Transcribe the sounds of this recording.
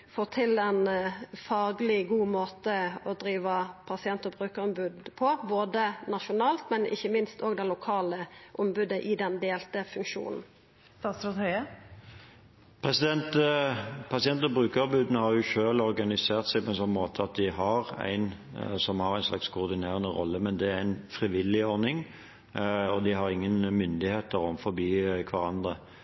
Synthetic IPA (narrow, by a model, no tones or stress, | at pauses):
foːt̪ʰɪlɛnfɑːɡlɪɡuːmoːt̪əɔd̪ɾiːʋɑpʰɑsɪɛnt̪ɔbʁʉːkəʁɔmbʉd̪pʰɔboːd̪ənɑʃʊnɑːlt̪mɛnɪ̰çːəmɪnst̪ɔːɡd̪ɛlʊkʰɑːləʔʊmbʉd̪əʔɪd̪ɛnd̪eːlt̪əfʉŋkʂṵːnn̩ | st̪ɑːsɔt̪hœʏə | pʰʁɛsɪd̪ɛnt̪ | pʰɑsɪɛnt̪ɔbʁʉːkəɑbʉːd̪ənəhɑɾjʊçøːlɔɾɡɑnɪseːʁt̪sæɪpʰɔɛnsɔnːmoːt̪ʰəɑt̪̚d̪ɪɦɑʁæ̰ɪn | sɔmhɑɾæɪnslɑ̰kskʰʊːʁd̪ɪneːʁənəʁɔ̰lːəmɛnd̪ɛæɾæɪnfʁɪʋɪlːɪɔɾnɪŋ | ɔd̪ɪɦɑɾɪŋːənmʏnd̪ɪheːt̪əɾɔ̰mfɔɾbiːkʰʋɑɾɑnd̪ʁə